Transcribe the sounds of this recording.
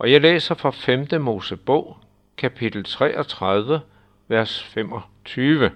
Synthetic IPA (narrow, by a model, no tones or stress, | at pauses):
ʔɒ̽jɑ̈ɪlḛːsɐfʁɑfemd̥əmo̝ːsəb̥ɔ̰ʊ̰ | kʰæpʰid̥l̩t͡sʰʁɛ̰ːɒt͡sʰʁað̞ˠʋə | ʋæɐsfem̰ɒ̽ | t͡sʰyːʋə